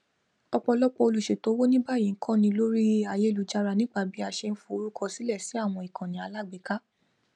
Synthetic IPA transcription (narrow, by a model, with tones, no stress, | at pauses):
ɔ˧k͡pɔ˧lɔ˦k͡pɔ˧o˧lu˨ʃe˨to˨˦wo˦nĩ˦ba˦˨jĩ˨ŋ̩˦kʰã˦˨nĩ˧lo˦ɾi˦a˧je˦˨lu˨˦d͡ʒa˧ɾa˧nĩ˦ɡ͡ba˦˨bi˨˦a˨ʃe˧n̩˦fũ˦o˧ɾu˦kɔ˦˧si˨˦lɛ˦˨si˨˦a˦˨w̃ɔ̃˧i˨kʰã˨nĩ˨˦a˧la˦˨ɡ͡be˨˦ka˦